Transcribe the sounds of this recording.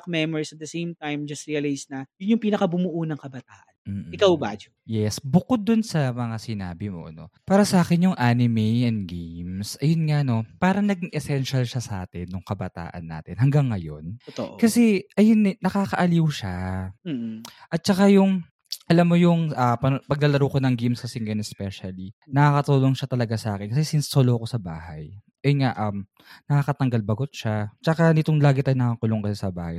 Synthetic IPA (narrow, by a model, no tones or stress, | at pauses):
k̚mɛmoɹisɐt̪̚d̪ɐsejmt̪ajmd͡ʒɐst̪ɹiɐlajsnɐjʊnjʊŋpiːnɐkɐbʊmʊʔunɐŋkɐbɐt̪aːʔɐn̩ːʔɪkawba̰ːd͡ʒojɛsbʊkod̪̚ːʊnsɐmɐŋasɪna̰ːbɪmo̞̰ʔɐ̰no̞̰paːɾɐsɐʔaːkɛnjʊŋʔanɪmɛjʔɛnd̪̚ɡejmsʔɐjonŋano̞paːɾɐŋnɐɡɪŋʔɛsɛnʃɐlʃasɐʔa̰ːt̪ɪnːʊŋkɐbɐt̪a̰ːʔɐ̰nːa̰ːt̪ɪnhɐŋɡaŋːɐjo̞̰nt̪oʔkɐsɛʔɐjonːɪnɐkaːkɐʔɐliwʃa | ʔɐt̪̚t͡ʃɐkajʊŋ | ʔɐlamːojʊŋɐpɐpɐɡ̚lɐlɐɾokonɐŋɡimskɐsɛŋɐjonɛspɛʃɐlinɐkakɐt̪uːloŋʃat̪ɐlɐɡasɐʔaːkɛnkɐs̬ɛsɪnsːoloko̞sɐba̰ːhɐ̰j | ʔɛŋaʔɐm | nɐkaːkɐt̪ɐŋɡalbɐɡot̪̚ʃat͡ʃɐkanɪt̪oŋlaːɡɪt̪aːnɐkakʊloŋkɐsɛsɐba̰ːhɐ̰j